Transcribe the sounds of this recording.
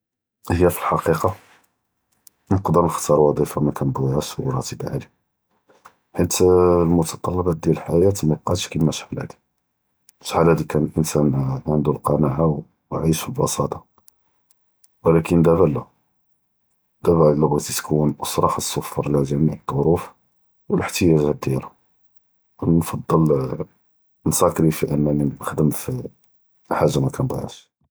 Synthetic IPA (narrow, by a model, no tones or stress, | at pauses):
həjːæfi̥lħɑqiqɑ | nəqd̪əɾnəxt̪ɑɾˤwɑd̪ˤifamækænbʕæʃwɾˤɑt̪əbʕa̰li | ħit̪lmʊt̪ɑt̪ˤɑlːɑbɑd̪jælħajæt̪mæbqɑt̪ʃkimæʃħalæ̰d̪i̥ | ʃħalæd̪ikænəlʔənsænʕənd̪ulqɑnaʕaw | ʕiʃəlbɑsɑt̪ˤɑ | wəlækənd̪æbælːæ | d̪̥æbælːəbat̪it̪kʰunʔəsˤɾˤɑħəsˤːofːɑɾˤlæʒæmiʕəd̪ˤːoɾuf | wələħt̪əjæʒhæd̪jælæ | wnfɑd̪ˤːəl | nsɑkɾifiʔənːæniməxd̪əmfi | ħaʒːamækænd̪ˤɑ̰ʕæ̰ʃ